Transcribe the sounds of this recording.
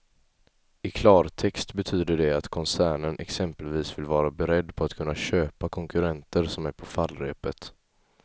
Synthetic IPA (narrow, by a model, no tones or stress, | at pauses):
ɪkʰlɑːɾt̪ʰɛkst̪bɛt̪ʰyːd̪əɖɛat̪kʰɔnsæːɳənʔɛ̰ksɛmpəlviːsvɪlvɑːɾabɛɾɛd̪ːpʰɔat̪̚kʰɵnːaɕøːpakʰɔŋkɵɾɛnt̪əɾsɔmæɾpʰɔfalːɾɛ̰ːpət̪